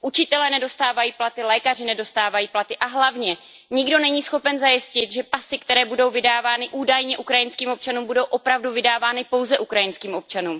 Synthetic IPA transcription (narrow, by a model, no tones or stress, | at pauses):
ʔut͡ʃɪt̪ɛlɛːnɛdo̞st̪aːvajiːplat̪ɪlɛːkar̝ɪnɛdo̞st̪aːvajiːplat̪ɪʔaɦlavɲɛ | ɲɪɡdo̞nɛɲiːsxo̞pɛnzajɪscɪt̪ʒɛpasɪkt̪ɛɾɛːbudo̞wvɪdaːvaːnɪʔuːdajɲɛʔukɾajɪnskiːmo̞p̚t͡ʃanuːmbudo̞wʔo̞pɾavduvɪdaːvaːnɪpo̞wzɛʔukɾajɪnskiːmo̞p̚t͡ʃanuːm